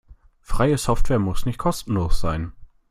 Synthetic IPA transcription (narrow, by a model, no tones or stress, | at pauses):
fʁ̥aɪəsɔftv̥ɛːɐmʊsnɪçt̚kʰɔstn̩loːsz̥aɪn